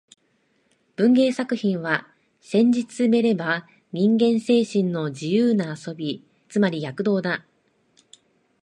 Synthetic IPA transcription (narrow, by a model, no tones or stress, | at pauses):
b̥ɯ̟̃ŋɡe̞ːsakɯ̟çĩɰ̃βa | sẽ̞ɲ̟d͡ʑit͡sɨme̞ɾe̞ba | ɲ̟ĩŋɡẽ̞ɰ̃se̞ːɕĩnːo̞d͡ʑijɯːnaːso̞bʲi | t͡sɨmaɾʲijakɯ̟d̪o̞ːd̪a